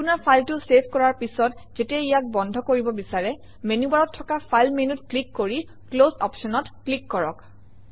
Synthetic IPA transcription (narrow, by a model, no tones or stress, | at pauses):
punaɹpʰajltʊsebʰʱkɔɹaɹpisɔtzetiɛijak̚bɔndʱɔkoɹibɔbisaɹɛ | menibaɹɔtʰːɔkapʰajlmenutklikːoɹi | klozɔ̰psɔnɔtklikːɔɹɔk